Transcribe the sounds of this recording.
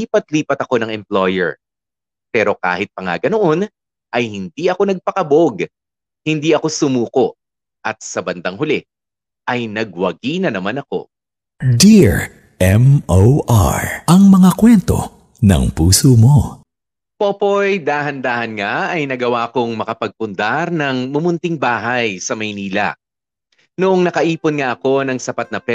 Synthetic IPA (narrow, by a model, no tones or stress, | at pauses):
iːpɐt̪̚liːpɐt̪ɐko̞nɐŋɛmplojɛ̰ɹ | pɛːɾo̞ka̰ːhɪt̪̚pɐŋa̰ɡɐnoʔo̞n | ʔɐjhɪnd̪iʔɐko̞nɐɡ̚pɐkɐbo̞ɡ | hɪnd̪iːɐko̞sʊmuːko̞ʔ | ʔɐt̪̚sɐbɐnd̪aŋhʊlɛ | ʔɐjnɐɡ̚wɐɡiːnɐnɐmanɐko̞̰ | d̪iɹ | ʔɛmowʔa̰ɹɐŋmɐŋakwɛnt̪o̞̰ | nɐ̰ŋpuːsomo | poːpojd̪aːɦɐnd̪aːhɐnŋaʔɐjnɐɡɐwaːɐko̞ŋmɐkɐpɐɡ̚pʊnd̪aɾnɐŋmʊmʊnt̪ɪŋbaːɦɐjsɐmɐjniːlɐ̰ | noʔoŋnɐkɐʔiːponŋaʔɐko̞nɐŋsɐpat̪̚nɐpɛ